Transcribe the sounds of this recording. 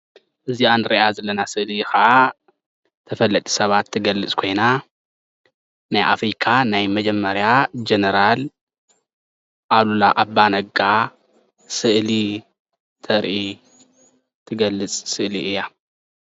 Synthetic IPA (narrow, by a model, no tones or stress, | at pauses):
ʔɨzianɾɐʔazɐlɐnasɨʔlixɐʔa | t̪ʰɐfɐlːɐt̪ʼi̥sɐβat̪ʰːɨɡɐlːɨt͡sʼkʰo̞jna | najʔa̰fɾikʰanajmɐd͡ʒɐmːɐɾjad͡ʒenɐɾal | ʔalulaʔabanɐɡa | sɨʔli | t̪ʰɐɾʔi | t̪ʰɨɡɐlːɨt͡sʼsɨʔliʔɨja